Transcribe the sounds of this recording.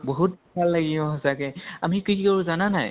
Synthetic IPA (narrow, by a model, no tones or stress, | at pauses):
bɔɦut̚bʱalːaɡiɔ̃ɦɔsakɛa̰mikikikaɹuzananaj